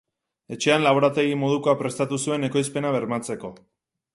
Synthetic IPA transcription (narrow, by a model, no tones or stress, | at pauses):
e̞t͡ʃe̞anlaβ̞o̞ɾat̪eɣimo̞ð̞uko̞apɾe̞st̪at̪usue̞ne̞ko̞jspe̞naβ̞e̞ɾmat͡se̞ko̞